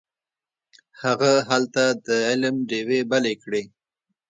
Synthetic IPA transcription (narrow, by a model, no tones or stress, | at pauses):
haɣaɦalt̪ad̪əɪlmɖewebalekɽe